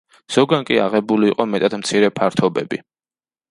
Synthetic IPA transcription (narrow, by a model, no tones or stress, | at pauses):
z̥ɔɡankʼia̰ʁɛbuliːqʼɔmɛt̪ʼad̪mt̪sʰiɾɛpʰaɾt̪ʰɔbɛbi